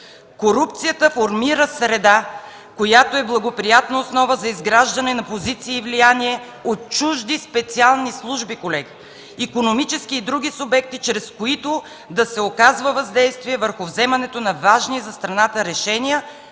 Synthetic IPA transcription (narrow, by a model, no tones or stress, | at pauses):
koɾup̚t̪sijət̪əfoɾmiɾəsɾɛd̪a | kojat̪oɛblˠɐɡopɾijat̪nɐosnɔvəzɐizɡɾaʒd̪ɐnɛnɐpozit̪siːvlijaniɛ | ot̪̚t͡ʃuʒd̪ispɛt̪sialˠnislˠuʒbikolɛɡʲi | ikonomit͡ʃɛskiːd̪ɾuɡ̟isʊbɛk̚t̪it͡ʃɾɛskoit̪o | d̪ɐsɛokazvəvɐzd̪ɛjst̪viɛvəɾxʊvzɛmɐnɛt̪onɐvaʒnizɐst̪ɾɐnat̪əɾɛʃɛnijə